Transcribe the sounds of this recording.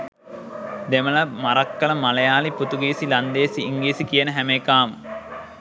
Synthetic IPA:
d̪emɐlɐmaɾɐkːɐlɐmalɐjaːliput̪uɡiːsilɐnd̪eːsiːŋɡiːsikijənəɦæmeːkaːmə

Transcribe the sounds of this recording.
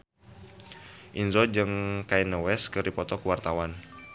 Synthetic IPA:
ʔinzɔd͡ʒɨŋkainəwɛskəɾipɔt̪ɔkəwart̪awan

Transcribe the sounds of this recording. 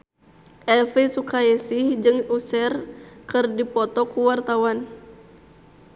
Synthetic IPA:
ʔɛlfɛsukaɛsihd͡ʒɨŋusɛrkɨrdipɔt̪ɔkuwart̪awan

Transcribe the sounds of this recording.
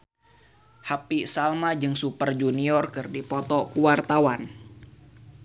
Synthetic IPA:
hapisalmad͡ʒɨŋsupərd͡ʒuniɔrkɨrdipɔt̪ɔkuwart̪awan

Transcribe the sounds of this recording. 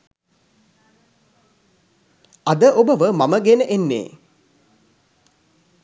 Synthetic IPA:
ɐd̪əʔobəʋəmaməɡenəʔenːḛː

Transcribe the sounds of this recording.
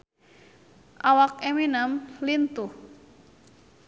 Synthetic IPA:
ʔawakeminamlint̪uh

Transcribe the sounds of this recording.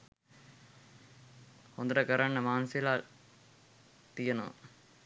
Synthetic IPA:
hond̪ɐɾəkəɾanːəmaːnsilaːl | t̪ijənoʋə̰

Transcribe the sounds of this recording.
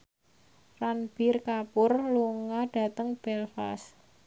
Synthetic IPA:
ranb̥irkapʊrluŋaɖ̥a̤t̪əŋb̥ɛlfa̰s

